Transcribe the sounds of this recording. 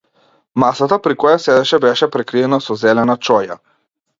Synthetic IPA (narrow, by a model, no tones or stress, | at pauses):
masat̪apɾikɔjasɛd̪ɛʃɛbɛʃɛpɾɛkɾiɛnasɔzɛlɛnat͡ʃɔja̰